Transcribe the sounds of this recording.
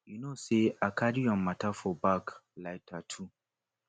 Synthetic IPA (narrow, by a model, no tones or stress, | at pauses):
junoseakʰadiɔ̃nmatʰafɔbaklaɪtʰatʰu